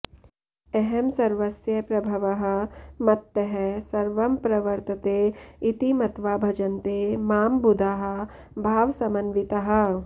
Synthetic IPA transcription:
ɛɦɛmsɐɾʋɐsjɐpɾɐbʱɐʋɐɦɐ̆mɐt̪jɐɦɛsɐɾʋɐmpɾɐʋɐɾt̪ɐt̪eːit̪imɐt̪ʋaːbʱɐd͡ʒɐnt̪eːmaːmbud̪ʱaɦɐ̆ | bʱaːʋsɐmɐnʋit̪ɐɦɐ̆

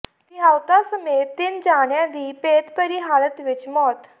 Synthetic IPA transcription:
t̪iɦawt̪asəmet̪ːind͡ʑaɳjãd̪iːpet̪pəɾiɦalət̪ʋit͡ɕmɔt̪

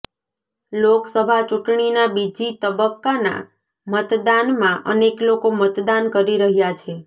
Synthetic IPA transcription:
loksəbʱat͡ʃuʈɳinabid͡ʒit̪əbəkːana̰ | mət̪d̪anmãʔə̰neklokomət̪d̪ankəɾiɾəɦjat͡ʃʰe

